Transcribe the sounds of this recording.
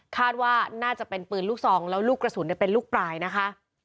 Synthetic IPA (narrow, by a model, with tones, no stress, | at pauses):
kʰaː˥˩t̪̚waː˥˩naː˥˩t͡ɕa˨˩pe˧npɯː˨˩nluː˥˩k̚sɔː˩˦ŋlɛː˦˥wluː˥˩kɾa˧suː˩˦ni˥˩pe˧nluː˥˩k̚pɾaː˧jna˦˥kʰa˦˥ʔ